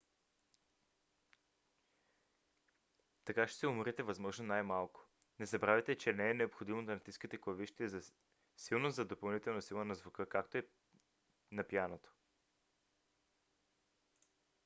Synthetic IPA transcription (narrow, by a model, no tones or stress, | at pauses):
t̪ɐkaʃɛ̥sɛʊmɾɛt̪ɛvɐzmɔʒnonajmalˠkʊ̥ | nɛzɐbɾavʲɛt̪ɛt͡ʃɛnɛːnɛopxod̪imot̪ɐnt̪iskit̪ɛklˠɐviʃt̪iɛzɐ | silˠnozɐd̪opɐlˠnit̪ɛlˠnɐsilˠənɐzvʊkɤkak̚t̪oɛ | nɐpjanot̪o̥